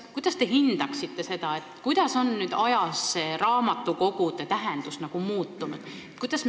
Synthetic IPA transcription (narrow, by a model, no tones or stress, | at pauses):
kujd̪̥ɑst̪e̞ɦind̪̥ɑksit̪ːe̞se̞d̪ɑe̞t̪ːkujd̪̥ɑso̞nːyːd̪̥ɑjɑsːeɾɑːmɑt̪ːˑuko̞ɡud̪et̪æɦend̪̥usnɑɡ̥umuːt̪ːunud̪̥ | et̪kujd̪ɑsm